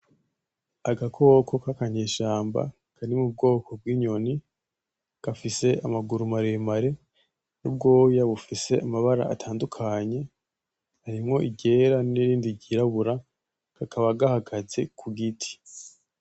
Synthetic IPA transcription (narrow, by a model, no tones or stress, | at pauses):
aɡakʰo̞ːkʰo̞kakaɲeːʃaːmba̰ | kʰanimub̚ɡo̞ːkʰo̞b̚ɡiːɲo̞ni | ɡ̥afise̞amaɡuɾumaɾemaɾe̞ | nub̚ɡo̞ːjaβufise̞ʔamaβaɾa̰ʔa̰tʰaːndukʰaɲe̞ | haɾimŋo̞ʔiɟe̞ːɾaniɾiːndiɟiɾaβuɾa | kakʰaβaɡahaɡazekʰuɡitʰi̥